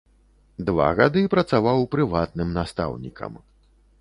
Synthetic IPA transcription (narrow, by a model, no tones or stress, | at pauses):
d̪va̰ɣad̪ɨpɾɐt̪savawpɾɨvat̪nɨmnast̪a̰wnʲikʰɐ̰m